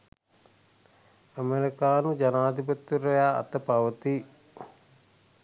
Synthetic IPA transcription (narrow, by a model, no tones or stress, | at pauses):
əmeɾikaːnud͡ʒanaːd̪ipɐt̪ːuɾɐjaːɐ̰t̪əpaʋət̪i